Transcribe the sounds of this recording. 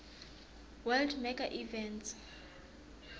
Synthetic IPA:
wɛldmɛɡaʔivɛnts

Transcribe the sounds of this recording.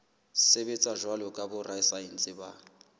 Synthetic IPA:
sebet͡sʼaʒwalɔkʼabʊrajsain̩t͡sʼɪba

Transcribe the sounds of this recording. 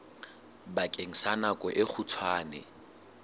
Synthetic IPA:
bakʼeŋ̩sanakʼɔʔɪk͡xʰutʰwaːnɛ

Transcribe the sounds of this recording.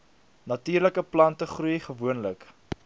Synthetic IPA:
nɐtiːrləkəplɐntəχrujχəvuənlək

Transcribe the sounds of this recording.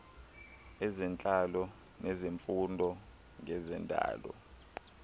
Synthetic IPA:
ɛzɛnt͡ɬʼalɔ | nezeɱfundʱɔ | ŋɛzɛndʱa̰ːlɔ̰

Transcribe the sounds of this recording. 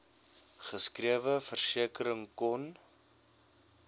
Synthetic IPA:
χəskriəvəfərsiəkəɾəŋkɔn

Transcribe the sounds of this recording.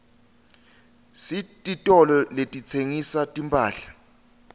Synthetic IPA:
sitʼitʼɔlɔletʼit͡sʰeŋisatʼimpʰʼaːɬḁ

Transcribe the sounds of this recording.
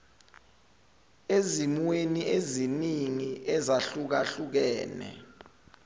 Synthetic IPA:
ezimweniʔeziniŋiʔɛzaɬuk̬aɬuk̬ɛːnɛ̰

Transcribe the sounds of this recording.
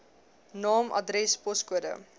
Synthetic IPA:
nɑːmʔɐ̰dɾɛspɔskuədə̰

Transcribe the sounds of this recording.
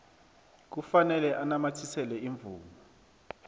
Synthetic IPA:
k̬ufanɛlɛʔanamatʰisɛlɛiɱvuːma

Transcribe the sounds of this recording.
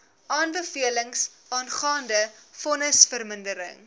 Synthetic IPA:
ʔɑːnbəfiələŋs | ɑːnχɑːndəfɔnəsfərməndəɾə̰ŋ

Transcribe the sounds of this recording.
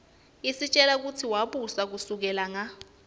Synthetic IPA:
isit͡ʃʼɛlak̬utʰiwaɓusak̬usuk̬ɛlaŋa

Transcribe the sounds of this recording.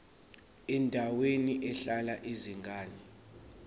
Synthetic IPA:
ɛndʱaweniʔɛɬalaʔeziŋɡʱaːni

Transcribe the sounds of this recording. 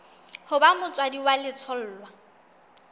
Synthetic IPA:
hʊbamʊt͡sʼwadiwalɪt͡sʰɔl̩ːlwa

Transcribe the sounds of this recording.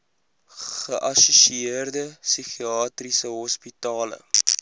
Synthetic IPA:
χəʔɐsuʃiərdəsiχiɑːtrisəɦɔspitɑːlə̰

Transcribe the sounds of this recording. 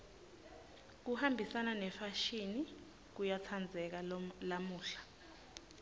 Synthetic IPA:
k̬uhambʱisananɛfaʃini | k̬ujat͡sʰand͡zʱɛk̬alamuːɬḁ

